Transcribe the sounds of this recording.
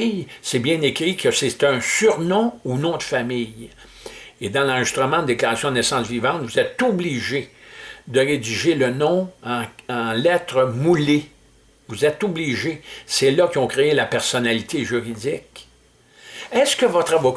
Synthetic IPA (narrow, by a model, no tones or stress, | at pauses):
jsɛbjɛ̃nekʁikʰəset̪œ̃syʁnɔ̃unɔ̃d̪əfamɪj | ed̪ɑ̃lɑ̃ʒist̪ʁəmɑ̃d̪d̪eklaʁasjɔ̃d̪nɛsɑ̃svivɑ̃t̪vuzɛt̪ubliʒed̪əʁed͡ziʒelənɔ̃ɑ̃ɑ̃lɛt̪ʁəmule | vuzɛt̪obliʒesɛlakʲiɔ̃kʁeelapɛʁsɔnalit̪ʰeʒyʁid͡zɪk | ɛskəvɔt̪ʁavɔk